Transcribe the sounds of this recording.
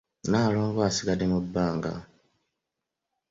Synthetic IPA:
naːloːŋɡwasiɡademubːaːŋɡa̰

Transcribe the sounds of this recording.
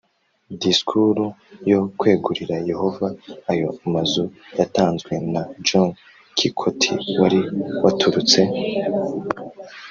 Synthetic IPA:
diskʰuɾujo̞kwe̞ːɡuɾiɾaje̞ho̞vaːjo̞amazujataːnzɡwe̞nad͡ʒoŋ | kʰikʰotʰiwaɾiwatʰuɾut͡se̞

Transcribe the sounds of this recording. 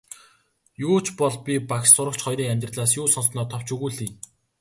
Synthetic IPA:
jʊːt͡ɕʰpɔɮpʲipakʃsʊɾə̆kt͡ɕʰχɔjɾiːŋæmʲt̪rɮaːsjuːsɔnsnɔːt̪ʰɔw̥t͡ɕʰɵɣuːɮiːn

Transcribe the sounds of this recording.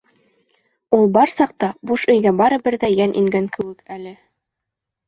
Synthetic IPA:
ulˠbɑɾsɑq̚t̪ɑbuʃɵ̆jɡæbɑɾɤ̆bɘ̆ɾðæjænʔiŋɡæŋkʰɘ̆wɘkælɘ

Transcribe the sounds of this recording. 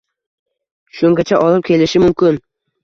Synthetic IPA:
ʃʊŋɡʲat͡ʃʰaʔɒlɪp̚kʲʰe̞lɪʃɪmʊmkʲɪn

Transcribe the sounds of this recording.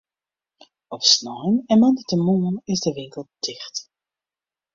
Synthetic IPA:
ɔfsnɔjnɛnmɑndətəmuənɪzdəʋɪŋkəl̚ˠd̥ɪχt

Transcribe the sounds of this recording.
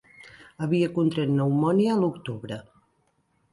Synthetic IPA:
əβiəkunt̪ɾɛt̪nəwmɔniəlukt̪uβɾə

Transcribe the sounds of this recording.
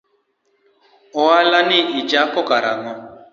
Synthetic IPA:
ɔalaniid͡ʒakɔkaɾa̰ŋɔ

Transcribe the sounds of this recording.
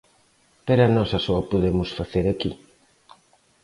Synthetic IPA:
peɾanɔsasɔɐpoðemʊsfaθeɾakḭ

